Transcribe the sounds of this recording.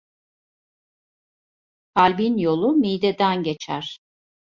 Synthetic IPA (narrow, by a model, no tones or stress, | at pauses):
kʰalʲbinjo̞lˠumijd̪ed̪ænɟe̞t͡ʃʰæ̰ɾ̥